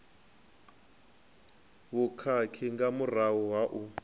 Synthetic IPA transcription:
βukʰakʰiŋɡamurawɔwaʔu

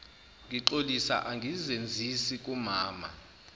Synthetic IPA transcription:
ŋʱiǃolisa̰ʔaŋɡʱizend͡zʱisikʼumaːma̰

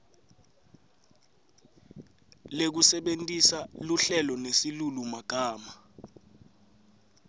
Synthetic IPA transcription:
lek̬usɛɓentʼisaluɬɛlɔnesilulumaɡ̥ʱaːma

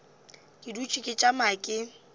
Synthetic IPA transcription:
kʼɪdut͡ʃʼikʼɪt͡ʃʼamaːkʼɪ

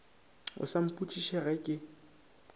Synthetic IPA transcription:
ʊ̰sam̩pʼut͡ʃʼiʃɛɣɛkʼɪ

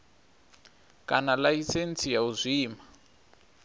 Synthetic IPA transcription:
kanalajisent͡sʰijauzʷiːma

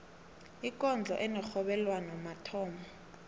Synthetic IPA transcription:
ikʼɔnd͡ɮʱɔʔɛnɛxɔɓɛlwanɔmatʰɔːmɔ

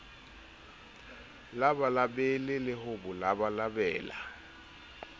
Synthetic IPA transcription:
labalabɛlɪlɪɦʊbʊlabalabɛːla̰

